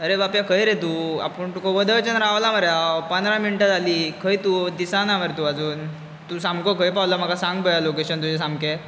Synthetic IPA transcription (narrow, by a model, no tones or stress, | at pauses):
əɾebapjakʰəjɾet̪ua̰pəɳt̪ukoʋəd̪ət͡ɕənɾaʋlaməɾjapənd̪ɾaminʈad͡zʱaliːkʰəjt̪ud̪isanaʋəɾt̪uad͡zuːn | t̪usamkəkʰəjpawlam̤əkasaŋɡbəjalokeɕənt̪ud͡ʑes̬amke